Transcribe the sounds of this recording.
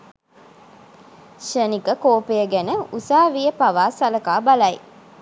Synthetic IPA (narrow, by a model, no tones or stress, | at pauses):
ʃənikəkoːpejəɡænəusaːʋijəpɐʋaːsɐlɐkaːbɐlɐj